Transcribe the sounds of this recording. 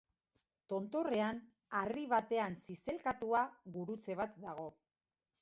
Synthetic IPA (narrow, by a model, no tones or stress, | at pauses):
t̪o̞nt̪o̞re̞an | ariβ̞at̪e̞ansise̞lkat̪uaɣuɾut͡se̞β̞at̪̚d̪aɣ̞o̞